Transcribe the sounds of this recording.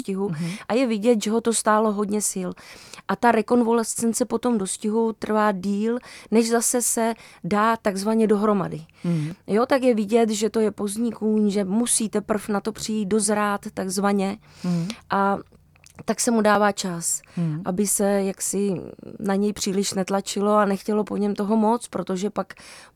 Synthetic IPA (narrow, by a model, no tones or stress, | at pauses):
scɪɦuʔajɛvɪɟɛt̪ʒɛɦo̞t̪o̞st̪aːlo̞ɦo̞dɲɛsɪlʔat̪aɾɛko̞nvo̞lɛst͡sɛnt͡sɛpo̞t̪o̞mdo̞scɪɦut̪r̩vaːdiːlnɛʒzasɛsɛdaːt̪aɡzvaɲɛdo̞ɦɾo̞ma̰dɪjo̞t̪akjɛvɪɟɛt̪ʒɛt̪o̞jɛpo̞zɲɪkuːmʒɛmusiːt̪ɛpr̩fnat̪o̞pr̝̥ɪjiːt̪̚do̞zɾaːt̪ːaɡzvaɲɛ | ʔa | t̪aksɛmudaːvaːt͡ʃasʔabɪsɛjaksɪnaɲɛjpr̝̥iːlɪʃnɛt̪lat͡ʃɪlo̞anɛxcɛlo̞po̞ɲɛmt̪o̞ɦo̞mo̞t͡spɾo̞t̪o̞ʒɛpak